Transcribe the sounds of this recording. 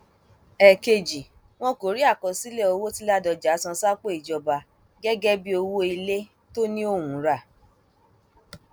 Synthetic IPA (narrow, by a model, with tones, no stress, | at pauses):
ɛ˨ke˧d͡ʒi˨ | w̃ɔ̃˦ko˨ɾi˦a˦˨kɔ̃˨si˦le˦o˧wo˦ti˦la˦dɔ˧d͡ʒa˨˦sã˧sa˦k͡po˦i˨d͡ʒɔ˧ba˧ | ɡɛ˦ɡɛ˦bi˦o˧wo˦i˧le˦ | to˦nĩ˦o˦˨wũ˨˦ɾa˦˨